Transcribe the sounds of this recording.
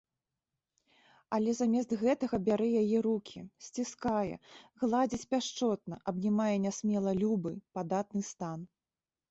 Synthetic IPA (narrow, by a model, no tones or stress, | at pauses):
ɐlʲɛzamʲɛst̪ɣɛt̪ɐɣɐbʲaɾɨjajɛɾukʲʰisʲt͡sʲiskajɛ̰ɣlˠad͡zʲit͡sʲpʲaʂt͡ʂɔt̪̚nɐʔɐbnʲimajɛnʲasʲmʲɛlˠɐlʲubɨ̰pad̪at̪̚nɨst̪an